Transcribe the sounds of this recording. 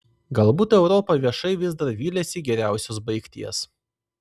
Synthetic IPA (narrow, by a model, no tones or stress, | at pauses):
ɡɐlˠbuːt̪ɛʊɾɔːpɐʋʲiɛʃɐɪʋʲɪzd̪ɐɾʋʲiːlʲɛsʲiɡʲɛɾʲæˑʊsʲoːs̬bɐɪkt̪ʲiɛs